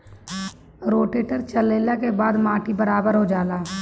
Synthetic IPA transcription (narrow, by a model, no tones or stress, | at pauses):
ɾoːʈeːʈəɾt͡ʃəleːlakebaːd̪maːʈibəɾaːbəɾɦod͡ʒaːlaː